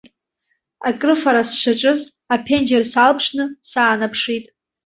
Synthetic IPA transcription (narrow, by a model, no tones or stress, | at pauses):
akʼrɨfaɾasʃʷaʈ͡ʂʼɨz | apʰend͡ʒersalpʰʂnɨsaːnapʰʂitʼ